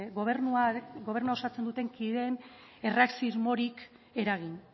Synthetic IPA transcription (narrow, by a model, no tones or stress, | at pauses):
ɣoβernuaɡo̞β̞e̞rnuao̞sat͡se̞nd̪ut̪e̞ŋkiðe̞n | e̞raksizmo̞ɾik | e̞ɾaɣ̞in